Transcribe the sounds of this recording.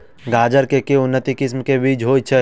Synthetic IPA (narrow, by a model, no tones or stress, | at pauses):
ɡaːd͡ʒəɾkekeʊnːət̪ikɪsmkebiːd͡ʒɦoːt͡ʃʰɛ